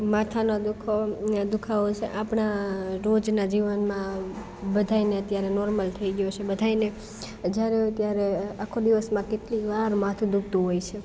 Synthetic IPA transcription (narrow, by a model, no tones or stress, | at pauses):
mat̪ʰanod̪ukʰod̪ukʰaot͡ʃʰḛʔapɳaɾod͡ʒnad͡ʒiʋənmã | bəd̪ʱajneət̪jaɾenɔɾməlt̪ʰəiɡjot͡ʃʰebəd̪ʱaine | d͡ʒjaɾeət̪jaɾeakʰod̪iʋəsmãkeʈliʋaɾmãt̪ʰũd̪uk̚ʰt̪ũɦojt͡ʃʰe